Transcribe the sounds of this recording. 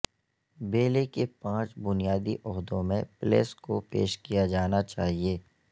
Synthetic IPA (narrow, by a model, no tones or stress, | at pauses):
beːlekepãːt͡ʃbʊnijaːd̪iʔɔɦd̪õmẽplḛːskopḛːʃkijad͡ʒaːnat͡ʃaːɦieː